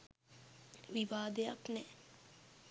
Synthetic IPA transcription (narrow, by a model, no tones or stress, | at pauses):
ʋiʋaːd̪ejaknɛ